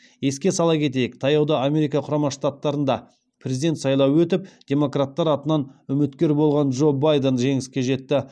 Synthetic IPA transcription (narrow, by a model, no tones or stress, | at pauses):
je̞skʲesɑlˠɑkʲʰe̞t̪̬e̞jɪkt̪ʰɑjɑwd̪ɑame̞ɾikɑqʰʊɾɑmɑʃt̪at̪ːɑɾənd̪ɑ | pʰrʲezid̪ʲe̞nt̪sɑjlˠɑwwɵt̪ɪp̚d̪̥ʲe̞mo̞krat̪ːɑɾɑt̪ənɑnʏmɪt̪kʲe̞ɾbo̞lˠʁɑnʒo̞bajd̪enʒe̞ŋɪskʲe̞ʒe̞t̪ːɪ